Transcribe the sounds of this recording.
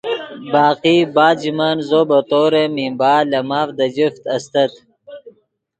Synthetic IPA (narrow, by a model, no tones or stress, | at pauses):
baːqibaːd͡ʑimanzoːbɐt̪oːɾemimbaːlɐmaːfd̪ɐd͡ʑift̪ɐst̪ɐt̪